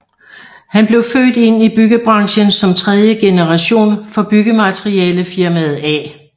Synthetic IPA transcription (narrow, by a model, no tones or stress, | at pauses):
hænb̥le̝ʊfø̰ːd̥e̝n̰ib̥yɡ̥əb̥ʁɑ̈ŋɕənsɒ̽mt͡sʰʁɛð̞ˠjəɡ̥e̝nəʁɑ̈ɕo̝̰ːnfɒ̽b̥yɡ̥əmæt͡sʰʁiɛːləfiɐmæð̩ˠɛ̰